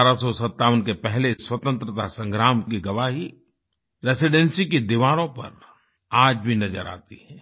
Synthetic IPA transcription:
aɾasɔsɐt̪ːaːʋənkepɛɦleswɐt̪ə̃nt̪ɾət̪asɐ̃ŋɡɾaːmkeɡɐʋaːɦi | ɾeːsɪɖɛnsiked̪ɪʋaːɾõpɐ̰ɾ | aːd͡ʒbʱinɐd͡ʒəɾa̰ːt̪iɦɛ̃ː

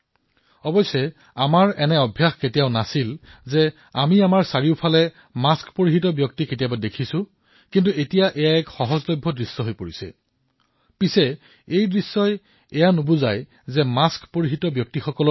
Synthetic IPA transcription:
ɔbɔjsɛ | amaɹɛnɛɔbʱjaxketijaʊnasilzɛ | amiamaɹsaɹiʊpʰalɛ | maskpoɹixitɔbjɔk̚tiketijabadekʰisʊ̃ | kint̬uetijaʔɛjaɛkxɔɦɔzlɔjbʱːɔdɹisːɔɦojpoɹisɛ̰ | pisɛ | ejdɹisːɔj | ɛjanobuzaj | zɛmaskpoɹiɦitɔbjɔk̚tixɔkɔlɔ

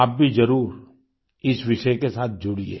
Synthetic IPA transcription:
aːp̚bʱizɐɾuːɾ | ɪsʋɪʃəkesaːt̪̚ʰd͡ʒʊɽiḛː

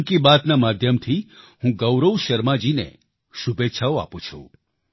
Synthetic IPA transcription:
kibat̪namad̪ʱjəmt̪ʰihũɡəwɾəwʃəɾmãd͡ʒinḛ | ʃubetːʃʰaoa̰pũt͡ʃʰṵ̃

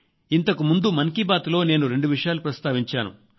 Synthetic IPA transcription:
int̪ɐkumund̪umɐŋkibaːt̪lo̞ːne̞ːnuɾe̞ɳɖuʋiʂɐjaːlupɾɐst̪aːʋiɲt͡ʃaːnṵ

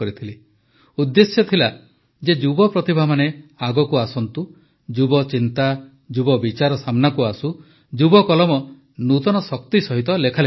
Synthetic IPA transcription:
ɔɾit̪ʰili | ud̪ːesjɔt̪ʰila | d͡ʒed͡ʒubɔpɾɔt̪ibʱamaneaɡɔkuasɔnt̪u | d͡ʒubɔt͡ʃint̪a | d͡ʒubɔbit͡ʃaɾɔsamnakuasu | d͡ʒubɔkɔlɔmɔ | nut̪ɔnɔsɔk̚t̪isɔɦit̪ɔlekʰale

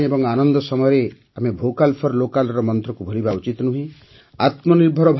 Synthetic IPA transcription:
ebɔŋanɔnd̪ɔsɔmɔjɔɾe | amebʱokalpʰɔɾlokalɾɔmɔnt̪ɾɔkubʱolibaut͡ʃit̪nuɦĩ | at̪mɔniɾbʱɔɾɔbʱ

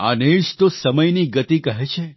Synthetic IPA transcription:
a̰neɭʃt̪osəməjniɡət̪ikəɦet͡ʃʰe

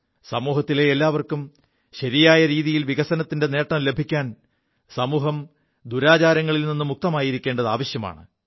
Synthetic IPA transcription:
sɐmuːɦɐt̪ːile̞elːaːʋɐrkum | ɕɐɾijaːjɐɾiːðijilʋiɣɐsɐnɐt̪ːinde̞ne̞ːʈːɐmle̞bʱikʲːaːn | sɐmuːɦɐm | d̪uɾaːt͡ɕaːɾɐŋːɐɭilninːumuk̚t̪ɐmaːjiɾikʲːeːɳɖɐða̰ːʋɐɕjɐma̰ːɳɨ̰

